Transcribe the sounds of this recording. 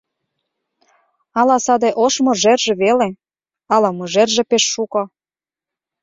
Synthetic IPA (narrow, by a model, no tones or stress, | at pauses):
ɑlɑsɑd̪eʔoʃmoʒerʒĕβele | ɑlɑmoʒerʒĕpeʃːuko